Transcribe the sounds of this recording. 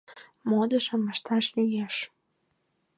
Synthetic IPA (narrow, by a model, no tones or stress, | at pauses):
mod̪ə̆ʃə̆məʃt̪ɑʃlyjeʃ